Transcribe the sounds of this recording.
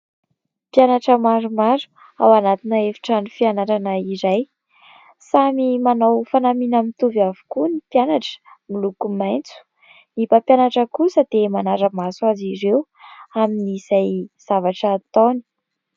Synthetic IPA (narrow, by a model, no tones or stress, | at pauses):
pjanaʈ͡ʂəmaɾumaɾu̥ | awanat̪inəefi̥ʈ͡ʂanufianaɾanəizaj | samimanawfanaminamit̪uvavu̥kunipjanaʈ͡ʂə̥milukumajnt͡su̥ | nipapjanaʈ͡ʂəkusəd̪̥emanaɾəmasaziɾew | aminizajz̥avaʈ͡ʂaːt̪oni̥